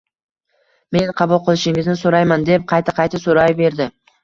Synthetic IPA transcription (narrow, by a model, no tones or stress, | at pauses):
me̞nqʰɑbulˠqɨlˠɪʃɪŋɪznɪsoɾajmand̪e̞p̚qʰɑjt̪ʰaqʰɑjt̪asoɾajbe̞ɾd̪ɪ